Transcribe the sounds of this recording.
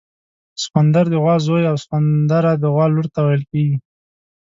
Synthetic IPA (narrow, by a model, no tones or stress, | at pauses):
sxand̪aɾd̪əɣwɑzojawswand̪aɾad̪əɣwɑlʊɾt̪awajəlkeɡi